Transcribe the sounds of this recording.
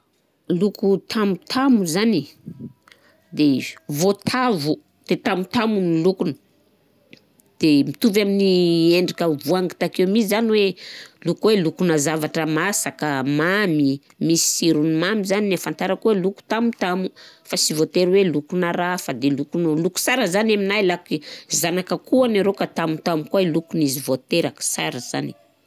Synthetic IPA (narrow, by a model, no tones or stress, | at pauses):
lukut̪ʰamut̪ʰamuzani | d̪evot̪ʰavu | d̪̥et̪amut̪amunilukunə̥ | d̪̥emit̪uvaminieɳɖ͡ʐikəvuaŋɡi̥t̪akewmisizaniwelukwelukunəzavaʈ͡ʂəmasakəmami | misi̥siɾunimamizaninefant̪aɾakuweluku̥t̪amut̪amufasivot̪eɾwelukunaɾafad̪elukunluku̥saɾəzanaminajlakizanakəkuanaɾokat̪amut̪amukuailukunizivot̪eɾakə̥saɾəz̥a̰ni̥